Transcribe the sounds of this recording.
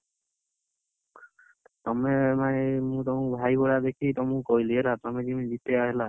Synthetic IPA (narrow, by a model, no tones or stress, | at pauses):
t̪ɔmemajmũt̪ɔmũbʱajɡɔɽad̪ekʰit̪ɔmũkɔɦjlielat̪ɔmẽd͡ʒimĩd͡ʒit̪eaɦela